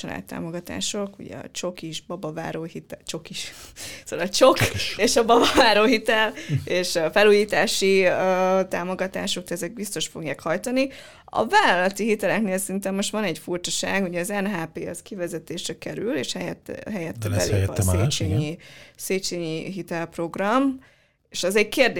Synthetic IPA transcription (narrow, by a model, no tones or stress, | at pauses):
ɒla̰ːt̪ːa̰ːmo̞ɡɒt̪a̰ːʃo̞kṵɟɛ̰ɒ̰t͡ʃo̞kiʒbɒbɒva̰ːɾoːhit̪ɛt͡ʃo̞kiʃsoːlt͡ʃokeːʃɒbɒbɒvaːɾoːɦit̪ɛleːʃfɛluːjiːt̪aːʃiøːt̪aːmo̞ɡɒt̪aːʃo̞k̚d̪ɛɛzɛɡ̚bist̪o̞ʃfo̞ɡjaːkhɒjt̪ɒni | ɒ̰vaːlɒlɒt̪iɦit̪ɛlɛkneːlsɛint̪ɛmːo̞ʃt̪ʋɒnɛɟfurt͡ʃɒʃaːɡuɟɛɒzɛnɦaːpeːɒskivɛzɛt̪eːʃrɛkɛɾylḛːʃhɛjɛt̪ːɦɛjɛt̪ːɛblḛjɛeːt͡ʃeːɲiseːt͡ʃeːɲiɦit̪ɛlpro̞ɡrɒm | eːʃɛzɛɟkeːrd̪e